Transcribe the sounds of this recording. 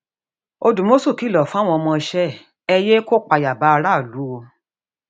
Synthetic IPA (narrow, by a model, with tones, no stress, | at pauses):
o˧dũ˨mo˦so˦˨ki˨˦˨lɔ˨fa˦w̃ɔ̃˧ɔ˧mɔ̃˧ʃɛ˦˨ | ɛ˧je˦ko˦k͡pa˧ja˨ba˨˦a˧ɾa˦˨lu˨˦o˧